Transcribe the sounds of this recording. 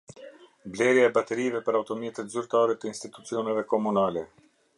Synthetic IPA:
blɛɾjaɛbat̪ɛɾivɛpəɾawt̪ɔmjɛt̪ɛt̪zyɾt̪aɾɛt̪əinst̪it̪ut͡siɔnɛvɛkɔmunalɛ

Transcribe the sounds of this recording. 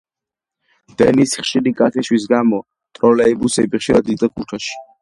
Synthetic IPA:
d̪̥ɛnisχʃiɾikʼat̪ʰɛʃwis̬ɡamɔ | t̪ʼɾɔlɛibusɛbiχʃiɾad̪it̪ʼakʰut̪ʰaʃi̥

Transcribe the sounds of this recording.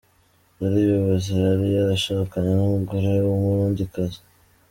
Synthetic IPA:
uɾiβjoβaziaɾijaɾaʃaːkaɲenumuɡoɾewumuɾuːɲdikazi̥

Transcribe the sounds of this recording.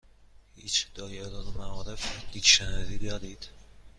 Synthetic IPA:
hiːt͡ʃd̪̥ɒːjelɒːnmæɒːɾefd̪iːd̪ʃænziːd̪ɒːd̪iːd̪̥

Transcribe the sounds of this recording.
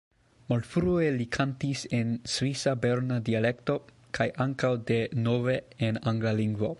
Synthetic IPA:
maltfɾue̞likʰantise̞nsvisabeɾnadiale̞kto̞ | kʰajʔaŋkawde̞no̞ve̞enaŋɡlaliŋɡvo̞

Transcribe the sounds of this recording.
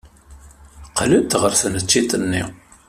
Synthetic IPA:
qːlət̪ʁəɾθənət͡ʃːit̪ənːḭ

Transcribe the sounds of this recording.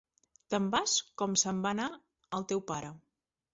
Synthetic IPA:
t̪əmbaskɔmsəmbana | əlˠt̪ɛwpaɾə

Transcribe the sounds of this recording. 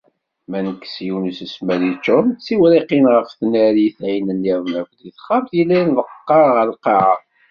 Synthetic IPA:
mænəkːsjuwnusəsmæɾit͡ʃːʊmt͡sːiwɾiqinʁəfθnæɾiθʕinənːiɾnækʷliθχamθjilːænðəqːɑʁəlqeʕa

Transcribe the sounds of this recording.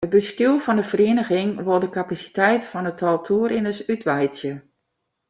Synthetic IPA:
ət̚bəstylˠfɔndəfəreːnəɣɪŋʋɔdəkapasi̥tɛjtfɔnətʰɔlˠtʰuːɾɪnəsytʋɛjsjə

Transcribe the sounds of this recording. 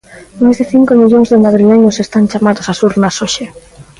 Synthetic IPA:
majzðeθiŋkomiʎoŋzðenaðɾileɲosest̪ant͡ʃamaðosasuɾnasoʃe

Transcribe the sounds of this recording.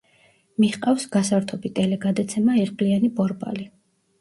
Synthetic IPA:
miχqʼafsɡasaɾt̪ʰɔbit̪ʼɛlɛɡad̪at̪sʰɛmaɛʁpʼlianipʼɔɾbʼa̰li

